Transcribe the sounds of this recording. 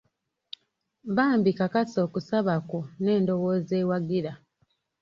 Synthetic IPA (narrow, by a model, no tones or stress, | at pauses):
βaːmbikakaso̞ːkusaβakone̞ːndo̞wo̞ːzeːwaɡiɾa